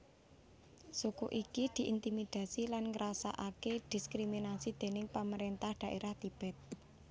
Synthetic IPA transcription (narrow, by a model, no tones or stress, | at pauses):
sukuʔikid̪̥i̤ʔint̪imid̪̥ä̤silanŋəɾasa̰ʔaked̪̥i̤skɾiminasid̪̥e̤nɪŋpaməɾent̪ahɖ̪̥a̤ʔeɾaht̪ib̥ɛ̤t̪̚